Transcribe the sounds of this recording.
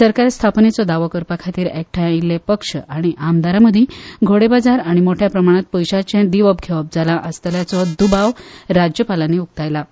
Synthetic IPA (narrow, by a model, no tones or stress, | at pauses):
səɾkaɾst̪ʰapnet͡sɔd̪aʋɔkəɾpakʰat̪iːɾek̚ʈʰailːepəkʂəʔaɽ̃iʔamd̪aɾaməd̪ʱiɡʱoɽebad͡zaɾaɽ̃imoʈʰjapɾəmaɽ̃at̪̚pəjɕat͡ɕjãd̪iʋəb̚ɡʱeʋəb̚d͡zalaʔəst̪əljat͡sɔd̪ubaʋɾad͡ʑjəpalanːeuk̚t̪ajla